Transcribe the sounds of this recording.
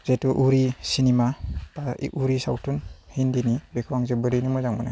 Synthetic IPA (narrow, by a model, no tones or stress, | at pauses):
zetuʔuɾisinimapaḭʔuɾisawtʰunhindinibekʰawaŋzebɯɾijnumɔzaŋmuna